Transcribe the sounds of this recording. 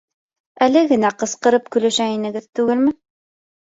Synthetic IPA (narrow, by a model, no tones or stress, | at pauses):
ælɘɡɘ̆næqɤ̆sqɤ̆ɾɤp̚kɵ̆læʃæinɘ̆ɡɘðt̪ʉɡɘlmɘ